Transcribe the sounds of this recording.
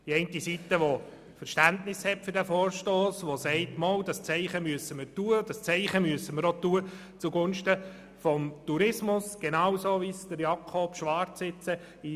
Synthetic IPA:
iɛɪntisitəʋɔ | fəɾʃtæntnɪshɛtfʏɾdæfoːɾʃtoːsʋɔsɛɪtmɔldɑst͡sɛɪχəmyəsəməɾtuːəd̥ɑst͡sɛɪχəmyəsəməɾotuːə | t͡suɡʊnʃtə | fɔmtuɾɪsmʊsɡ̥enɑwsoːʋisd̥əɾjɑkʰob̥ʃʋɑɾt͡ssɪt͡sə | i

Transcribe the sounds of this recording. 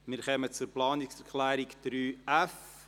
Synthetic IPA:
mɪɾχœmət͡sʊɾplɑːnɪksɛɾkʰlæːɾikd̥ɾyːæf

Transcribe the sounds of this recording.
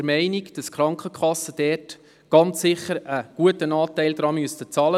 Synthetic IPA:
əɾmɛɪniɡd̥ɑskχɾɑŋkχəkχɑsəd̥ɛːt | ɡ̥ɑnt͡sːɪχəɾəɡ̥uətənɑːtæɪld̥̪ɾɑmyəstət͡sɑːlə

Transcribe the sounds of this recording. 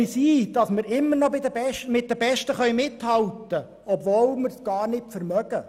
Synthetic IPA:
isiːd̥ɑsmɪɾɪmːəɾnɔbɪd̪əbɛʃmɪt̚d̪əbɛʃtəχœɥmɪthɑlt̪ə | ɔbvoːlmɪɾsɡ̥ɑːɾnɪtfəɾmœɡ̥ə

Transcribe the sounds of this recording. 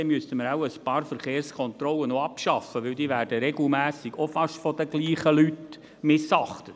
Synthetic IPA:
ɛmyəst̪əməɾaʊəspɑːɾfəɾχeːɾskʰɔnt̪ɾɔlənoɑpʃɑfəʋɪld̥̪iːʋæːɾdəɾɛɡl̩mæːsɪɡ̥ofɑʃfɔd̥̪əɡliːχəlyt | mɪsɑχt̪ə

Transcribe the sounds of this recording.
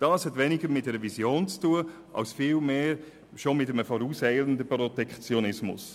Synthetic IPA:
d̥ɑːshɛtʋɛnɪɡəɾmɪt̚d̥ɛɾəvisjoːnt͡stuə | ʔɑ̰lsfiːlmeːɾ | ʃomɪtəməfɔɾuːshɛɪləndəprɔtɛkχt͡sjonɪsmʊ̰s

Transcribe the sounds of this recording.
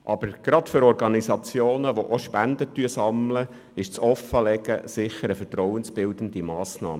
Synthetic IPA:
ʔɑb̥əɾɡ̥ɾɑt̪fʏɾɔɾɡɑnisɑt͡sjoːnəʋoʔoʃpænd̪ət̪yəsɑmlə | ɪʃt͡sɔfːəlɛɡəsɪχəɾəfɛɾtɾɔwənsb̥ɪld̪ən̩d̪imɑːsnɑ̰ːmə

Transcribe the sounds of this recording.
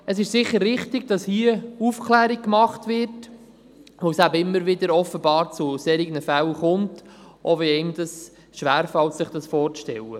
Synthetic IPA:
əsɪʃsɪχːəɾːɪχtɪɡ̚d̥ɑshiəufkʰlæːɾiɡ̚kmɑχtvɪɾt | ʋosæbəɪmːəɾʋɪdəɾɔfəbɑːɾt͡sʊseːɾiɡənəfælχʊntʔoviɛɪmd̥ɑs | ʃʋæːɾfɑltsɪχd̥ɑsfɔːɾʃtɛ̰lːə

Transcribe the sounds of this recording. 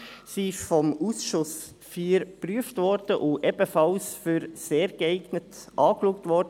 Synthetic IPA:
siɪʃfɔmusʃʊs | fiːɾpɾyəftvʋɔɾd̥əʔʊʔɛbəfɑlsfyɾseːɾɡəɛɪɡnətʔɑːkluək̚tʋɔɾdə

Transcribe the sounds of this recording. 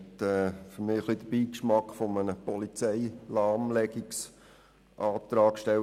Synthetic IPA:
t̪ɛːfəɾmɪːəχlid̥̪əbiːkʃmɑkfɔmənəpɔlit͡sɛɪlɑːmlɛɡɪks | ʔɑːt̪ɾɑːkʃtɛ

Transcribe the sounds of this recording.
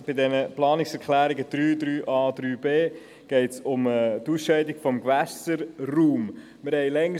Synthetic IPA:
b̥ɪdɛnəplɑːnɪksɛɾkʰlæːɾɪɡəd̥ɾyːdɾyːʔɑːd̥ɾyːbeː | ɡ̥ɛɪtsʊmətuːsʃɛɪdɪɡ̥fɔmɡvɛsəɾruːm | mɪɾhɛɪlɛŋ

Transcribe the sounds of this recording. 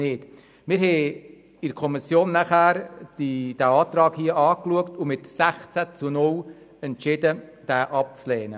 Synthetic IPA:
ɪːd̥ | mɪɾɦɛː | ɪɾkʰɔmɪsjoːnːæχæːɾd̥id̥æɑːt̪rɑːkhiəʔɑːkluəktʊmɪtsæχt͡sæt͡sunʊl | ɛnt͡ʃɪdəd̥æːʔɑp̚t͡slɛːnə

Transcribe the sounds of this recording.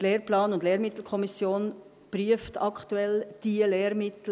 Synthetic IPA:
tlɛːrplaːnʊndlɛːɾmɪt̪l̩kʰɔmisjoːn | b̥ryəftɑktuɛld̥iəlɛːɾmɪtl̩

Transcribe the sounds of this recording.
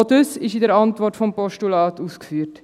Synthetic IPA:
odøsɪʃɪdəɾɑntvɔrtfɔmpɔʃtulɑːtuːskfyːəɾt

